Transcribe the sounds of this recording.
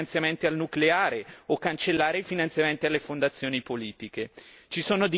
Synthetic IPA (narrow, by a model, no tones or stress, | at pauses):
nt̪sjament̪ialnukleaːɾeokːant͡ʃelːaːɾeifinant̪sjament̪ialːefond̪at̪sːjoːnipoliːt̪iket͡ʃisoːnod̪i